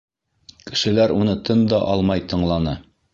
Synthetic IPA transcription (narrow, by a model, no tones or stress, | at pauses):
kɘ̥̆ʃɘ̆læɾunɤt̪ɤnd̪ɑʔɑlˠmɑjt̪ɤ̆ɴlˠɑnɤ